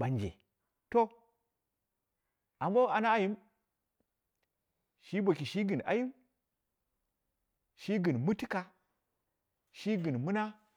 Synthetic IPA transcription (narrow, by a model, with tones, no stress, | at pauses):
ɓa˨nd͡ʒḛ˨ | to˦ | a˨mbo˦a˨na˦a˦ji˦m | ʃi˦bo˨ki˨ʃi˦ɡɨ˨na̰˨ji˦m | ʃi˦ɡɨ˨nmu˦ti˦ka˨ | ʃi˦ɡɨ˨nmu˦na˦